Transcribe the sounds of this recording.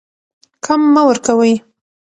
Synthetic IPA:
kʰamːawəɾkawəj

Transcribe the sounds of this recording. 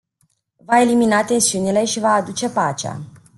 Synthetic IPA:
vae̞liminat̪e̞nsiunile̞ʃivaːd̪ut͡ʃe̞pat͡ʃa̰

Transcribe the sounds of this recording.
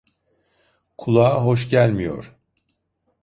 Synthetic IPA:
kʰulˠaːɦo̞ʃ̬ɟælʲmijo̰ɾ̥

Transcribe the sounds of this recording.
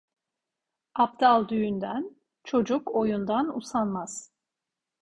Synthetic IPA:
ap̚d̪alˠd̪yjynd̪æn | t͡ʃʰo̞d͡ʒuko̞jund̪anṵsanmaz̥

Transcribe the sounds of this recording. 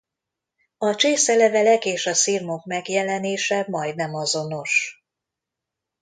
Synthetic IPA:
ɒt͡ʃeːsɛlɛvɛlɛkeːʃɒsirmo̞kmɛɡjɛlɛneːʃɛmɒjd̪̚nɛmɒzo̞no̞ʃ

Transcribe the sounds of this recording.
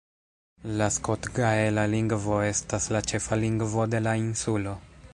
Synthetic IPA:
lasko̞tɡaelaliŋɡvo̞e̞staslat͡ʃe̞faliŋɡvo̞de̞lainsulo̞

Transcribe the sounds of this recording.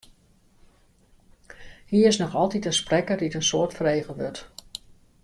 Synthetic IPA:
hiːəɪsnɔxɔlˠtitəsprɛkərditənsoːtfəreːɣəʋøt

